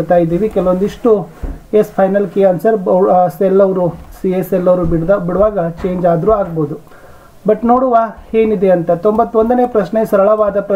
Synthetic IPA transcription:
t̪aːjid̪iːʋikɛlɐʋond̪iʂʈuespʰɐjnɐlkeɐnsɐɾbɐselːɐʋɾusieselːɐʋɾuibiɽuʋaːɡɐt͡ʃe̞ːɲd͡ʒaːd̪ɾuːaːɡboːd̪u | bɐʈno̞ːɽuʋaheːnid̪eɐnt̪ɐt̪ombɐt̪ːʋo̞nd̪ɐne̞ːpɾɐʃɳe̞sɐɾɐɭɐʋaːd̪ɐpɾɐ

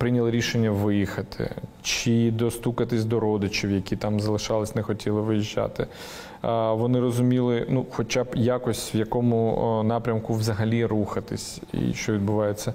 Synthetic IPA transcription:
pɾɪnʲɐlˠɪɾʲiʃenʲːɐʋɪjixɐt̪ʰɪ̰ | t͡ʃɪd̪ɔst̪ukɐt̪ɪsʲd̪ɔɾɔd̪ɪt͡ʃiwjɐkʲit̪ɑmzɐlˠɪʃɑlˠɪsʲnɛxɔtʲʰilˠɪʋɪjiʒːɑ̰t̪ɪ | ʋɔnɪrɔzʊmʲilˠɪnuxɔt͡ʃabjakɔsʲtʲʋjɐkɔmʊnɑpɾʲɐmkʊʋzɐɦɐlʲiɾuxɐt̪ɪ̰sʲ | ḭʃt͡ʃɔʋʲid̪bʊʋɑjet͡sʲːɐ

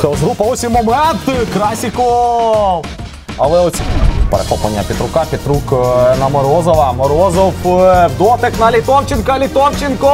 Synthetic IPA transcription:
xɛɔzɦɾupɐɔsʲimɔmɛnt̪kɾasʲikɔ | ɐlˠɛɔsʲipɛɾḛxɔplˠɐ̰nʲːɐpʲit̪ɾʊkapʲit̪ɾuknɐmɔɾɔzɔʋɐmɔɾɔzɔwwd̪ɔt̪ɛknɐlʲit̪ɔwt͡ʃɪnkɐlʲit̪ɔwt͡ʃɪnkɔ

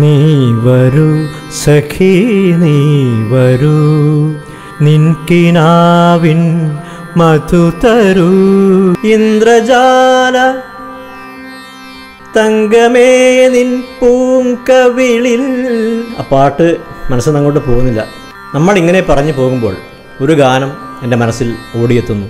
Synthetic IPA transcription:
niːʋɐɾu | sɐkʰiniːʋɐɾu | ninkinaːʋin | mɐt̪ut̪ɐɾu | ind̪rɐd͡ʑalɐ | t̪ɐŋɡɐmeninpuːŋkɐʋiɭil | ɐ̰pːaːʈːɨmɐnɐsːɨnɐŋːoːʈːɨpoːɣunːilːɐ̰ | nɐmːɐɭiŋːɐnepɐrɐɲːupo̞ːɣumbo̞ːɭ | o̞ɾuɡʱaːnɐm | e̞nde̞mɐnɐsːilo̞ːɽijet̪ːunːu

